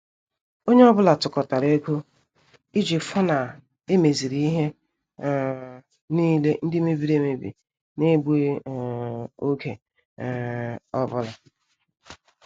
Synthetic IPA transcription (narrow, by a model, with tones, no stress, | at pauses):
o˦ɲe˦ɔ˦bʊ˦la˨tʊ˨kɔ˨ta˨ɾe˦kʷu˦ | i˦d͡ʒi˨fɔ˦na˨ | e˦me˨zi˨ɾi˦ɦe˦˨ | ni˦le˦n̩˦dɪ˦me˦bi˦ɾe˦me˨bḭ˨ | ne˦ɡ͡be˦˨ | o˦ke˨ | ɔ˦bʊ˦la˨